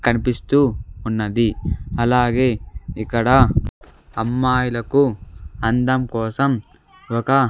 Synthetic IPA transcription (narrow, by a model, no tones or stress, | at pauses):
kɐnipist̪uːnːɐd̪iɐlaːɡe̞ːikːɐɽɐ | ɐmːaːjulɐkuɐnd̪ɐmkɔːsɐm | ɔkɐ